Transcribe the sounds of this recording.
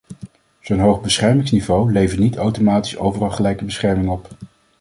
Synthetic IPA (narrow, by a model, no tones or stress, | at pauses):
z̥ownɦowχbəsχɛɹmɪŋsnivowlejvətnitawtomaːti̥so̰wvərɑlˠχəlɛjkəbəsχɛɹmɪŋɔp